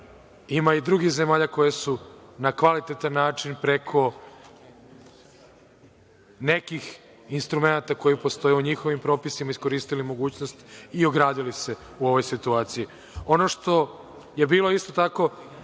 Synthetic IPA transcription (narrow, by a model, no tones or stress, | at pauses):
imaid̪ɾuɡixze̞maːʎako̞jesunakʋalit̪et̪anːaːt͡ʃinpɾe̞kʰo̞ | ne̞kix | inst̪ɾume̞nat̪ako̞jipo̞st̪o̞jeuɲixo̞ʋimpɾo̞ːpisimaisko̞ɾiːst̪ilimo̞ɡuːt͡ɕnost̪io̞ɡɾaːd̪ilise̞ | uo̞ʋo̞jsit̪uaːt̪siji | o̞no̞ʂt̪o̞ | je̞biːlo̞ist̪o̞t̪ako̞